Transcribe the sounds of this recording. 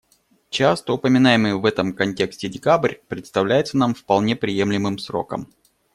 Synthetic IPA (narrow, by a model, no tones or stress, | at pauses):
t͡ɕast̪əʊpəmʲɪnajɪmɨjvɛt̪əmkɐnʲtʲe̞ksʲtʲɪdʲɪkabrʲpɾʲɪt̪st̪ɐvlʲæjɪt̪sənamfpɐlˠnʲe̞pɾʲɪjemlʲɪmɨmsɾo̞̰kə̰m